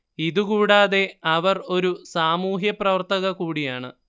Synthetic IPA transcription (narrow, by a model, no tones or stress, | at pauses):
iðukuːɽaːðe̞ɐʋɐro̞ɾusaːmuːɦjɐprɐʋɐrt̪ɐɣɐkuːɽijaːɳɨ̰